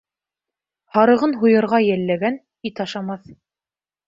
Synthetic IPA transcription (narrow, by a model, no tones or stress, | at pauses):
hɑɾɤ̆ʁɤnɦujɤ̆ɾʁɑjælːæɡæn | it̪ɑʃɑmɑθ